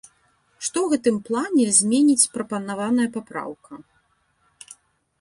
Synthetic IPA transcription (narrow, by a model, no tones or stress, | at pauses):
ʂt̪ɔwɣɛt̪ɨmplˠanʲɛzʲmʲenʲit͡sʲpɾɐpɐnavanɐjɐpapɾa̰wkɐ